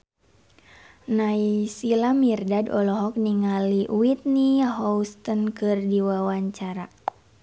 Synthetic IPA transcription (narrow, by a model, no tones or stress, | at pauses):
naisilamirdadɔlɔɦɔk̚niŋaliʔuwit̪̚niɦɔust̪ənkɨrdiwawaɲt͡ʃaɾa